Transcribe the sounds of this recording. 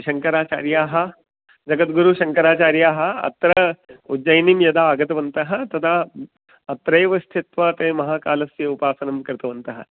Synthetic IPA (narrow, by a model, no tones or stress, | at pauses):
ʃɐŋkɐɾaːt͡ʃa̰ːɾjaːɦɐ | d͡ʒɐɡɐt̪ɡuɾuʃɐŋkɐɾaːt͡ʃaːɾjaːɦɐɐ̰t̪ɾɐud͡ʒɐjnimjɐd̪aːɡɐt̪ɐʋɐnt̪ɐɦɐt̪ɐt̪ʰa | ɐt̪ɾɐjʋɐst̪ʰit̪ʋat̪eːmɐɦaːkaːlɐsjeupaːsɐnɐmkɐɾt̪ɐʋɐnt̪ɐɦɐ̰